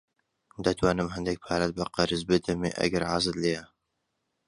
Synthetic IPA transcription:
d̪ɐt̪ʰwaːnɨmɦɛnd̪ek̚pʰaːɾɐt̪̚bɐqɑɾɨzbɨd̪ɐmiʔɐ̰ɡɐɾʕaːzɨt̪leːja

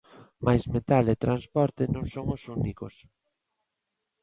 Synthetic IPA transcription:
majzmet̪alet̪ɾanspɔɾt̪ɪnõŋsoŋʊsunikos

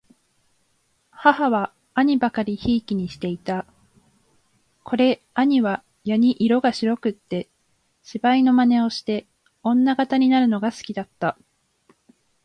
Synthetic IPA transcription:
hahaβaː | ɲ̟ibakaɾʲiçiːkʲiɲ̟iɕi̥t̪e̞it̪a | kʰo̞ɾe̞ | aɲ̟iβa | jaɲ̟iʔiɾo̞ɡaɕiɾo̞kɯ̟t̪ːe̞ | ɕibaino̞mane̞o̞ɕi̥t̪e̞ | õ̞nːaɡat̪aɲ̟inaɾɯ̟no̞ɡasɨ̥kʲid̪at̪ːa

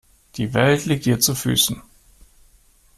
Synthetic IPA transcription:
d̥iːvɛltʰliːk̚thiːɐt͡sufy̰ːsn̩

